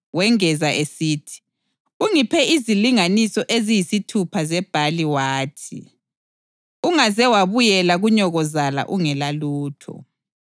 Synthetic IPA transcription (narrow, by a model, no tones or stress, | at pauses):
wɛŋɛzaʔesiːtʰi̥ | uŋipʰɛʔiziliŋanisɔʔezijisitʰupʰazɛb̥ʱaliwaːtʰḭ | uŋazɛwaβujɛlaɣuɲɔɣɔzala̰ʔuŋɛlaluːtʰɔ̰